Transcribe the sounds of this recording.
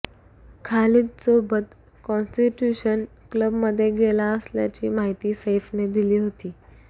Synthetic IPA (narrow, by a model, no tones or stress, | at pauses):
kʰaliːt͡sobət̪ | kɔ̃nsʈiʈjuɕən | kləbməd̪ʱːjeɡelaəsljat͡ɕḭːmaɦit̪iːsefned̪iliːɦot̪iː